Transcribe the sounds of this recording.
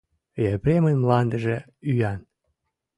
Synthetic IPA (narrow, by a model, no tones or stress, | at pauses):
jepɾemənmlɑnd̪əʒĕ | yjɑn